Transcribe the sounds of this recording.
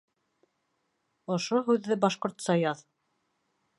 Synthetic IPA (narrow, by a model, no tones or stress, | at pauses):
ŏʃoɦʉðːɘbɑʃqŏɾt̪sɑjɑð